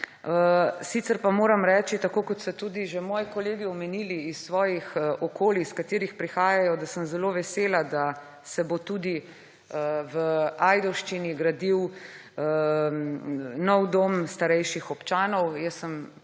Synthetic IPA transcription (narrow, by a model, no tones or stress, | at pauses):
əsit̪sɛɾpamoːɾɐmɾɛːt͡ʃit̪akoːkɔt̪st̪ɔt̪ud̪iʒemɔːjkɔleːɡiɔmɛniːliːssʋɔːjixɔkʰoːliskat̪iːɾixpɾixaːjajɔd̪asəmzɛloʋɛseːlad̪a | sɛbot̪uːd̪i | əʋəaːjd̪ɔwʃt͡ʃiniɡɾad̪iwə | nɔwd̪oːmst̪aɾɛjʃixɔpt͡ʃaːnɔwjɛsːəm